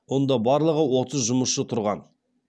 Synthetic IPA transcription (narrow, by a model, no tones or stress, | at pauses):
wo̞nd̪ɑbɑɾlˠəʁəwo̞t̪əzʒʊməsʃət̪ʰʊɾʁɑn